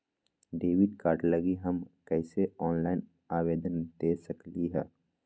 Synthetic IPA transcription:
ɖeːʋɪɖkaːɾʈlɐɡiɦɐmkɛːseɔːnlaːɪn | aːʋeːd̪ənd̪eːsɐkliɦɛː

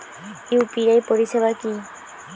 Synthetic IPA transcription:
upiajpoɾiʃebaki

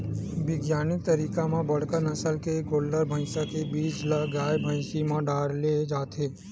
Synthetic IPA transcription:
bɪɡjaːnit̪əɾiːkamãbəɽ̤kənəsəlkeɡoːlːəɾbʱə̃ɪ̃sakebiːd͡ʒlaɡaːjbʱə̃ɪ̃simãɖaːɾled͡ʒaːt̪ʰeː

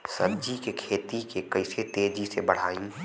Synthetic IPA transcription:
səbd͡ʒikekʰeːt̪ikekɐɪset̪eːd͡ʒisebəɽ̤aːĩ

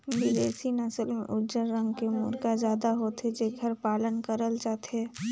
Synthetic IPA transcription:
bɪd̪eːsinɐsəlmḛ̃ʔʊd͡ʒəɾːə̃ŋɡkemʊ̰ɾɡazjaːd̪aɦoːt̪ɦed͡ʒeɡʱɐɾpaːlənkəɾəld͡ʒaːt̪ɦɛː

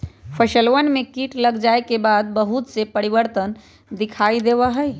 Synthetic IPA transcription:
pʰəʃəlwənmẽkiʈləɡd͡ʒaekebaːd̪̚bəɦut̪sepəɾibəɾt̪ən | d̪ɪkʰaid̪ebaɦəj

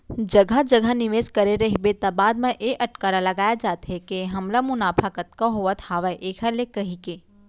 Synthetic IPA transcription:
d͡ʒɐɡʱad͡ʒɐɡʱanɪʋeːskɐɾeɾɐɦibet̪abaːd̪mẽʔeʔɐʈkaːɾalɐɡaːjad͡ʒaːt̪ɦɛkeɦɐmlamʊnaːpʰəkət̪kaɦoːʋət̪haːʋaʔeːkʰɐlekɐɦikeː

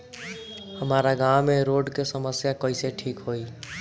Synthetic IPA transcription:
həmaɾaɡawmeɾoɖkesəməsjakəɪseʈʰikɦoi

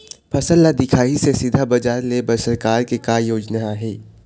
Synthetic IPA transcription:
pʰɐsəlːad̪ɪkʰaːisesɪd̪ʱabɐd͡ʒaːɾlebɐsəɾkaːɾkekaːjoːd͡ʒnaaɦɛː

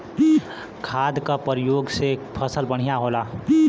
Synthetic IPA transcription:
kʰaːd̪kapəɾjoːɡsepʰəsəlbəɽ̤ijaɦoːla

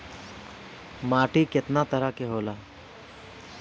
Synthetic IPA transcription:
maːʈiːkɪt̪nat̪əɾakeɦoːlaː

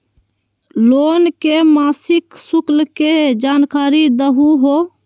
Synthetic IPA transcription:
loːnkemaːsɪksuklked͡ʒaːnkaːɾid̪əɦuɦo

